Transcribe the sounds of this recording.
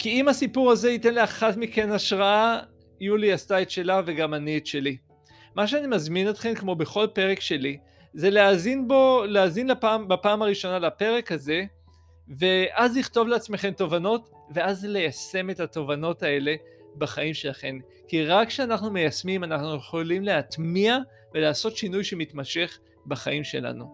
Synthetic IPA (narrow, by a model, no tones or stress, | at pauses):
kiimasipuʁaze̞it̪e̞nlaχatmike̞naʃʁaa | juliast̪aetʃe̞lave̞ɡamanietʃe̞li | maʃ̬eanimazminot̪χe̞mkmo̞be̞χo̞lpe̞ʁe̞kʃe̞li | ze̞leazinboleazinlapaːmbapaːmaʁiʃo̞nalapeʁe̞khaze̞ | ve̞ʔazliχt̪o̞vleat͡sme̞χe̞mt̪o̞vano̞t | ve̞azle̞jase̞me̞tat̪o̞vano̞tae̞le̞ | baχaimʃe̞laχe̞n | kiʁakʃeanaχnumejasmimanaχnujeχolimle̞at̪mia | ve̞laːso̞t̪ʃinujʃemit̪maʃe̞χ | baχaimʃe̞̰la̰nu